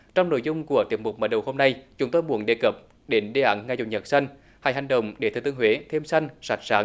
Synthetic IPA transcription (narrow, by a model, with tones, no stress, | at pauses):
t͡ɕɔ˧wŋ͡mno̰˧˨jzʊ˧ŋ͡mku˧˩ət̪i˨˩əp̚mʊ˨˩k͡p̚mə̰ː˨˩ɗə˨˩who˧mna˧jt͡ɕʊ˨˦ŋ͡mt̪o˧jmu˧˩˦ənɗḛ˧˩kə˨˩p̚ | ɗe˨˦nɗe˨˧˩ʔa̰˨˦nŋaː˧zʊ˨˩ŋ͡mɲə˨˩t̚sa˧jŋ̟ | haː˧˩jɦa˨˩jŋ̟ɗə̰˨wŋ͡mɗe˧˩t̪ɨ̰˨˩t̪ɨ˧˨əŋɦwe˨˦t̪ʰe˧msa˧jŋ̟sa˨˩jk̚saː˨˦ŋ